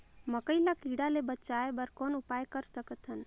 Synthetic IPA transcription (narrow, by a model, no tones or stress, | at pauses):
məkəilakiɽalebət͡ʃaebəɾkɔːnʊpaːjkəɾsəkət̪ɦən